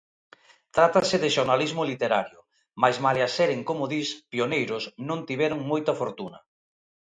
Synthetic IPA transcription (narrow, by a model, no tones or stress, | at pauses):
t̪ɾat̪asɪðɪʃoɾnalizmʊlit̪eɾaɾjʊ | majzmaleaseɾeŋkomʊðispionejɾʊsnõŋt̪iβɛɾʊŋmojt̪ɐfoɾt̪unɐ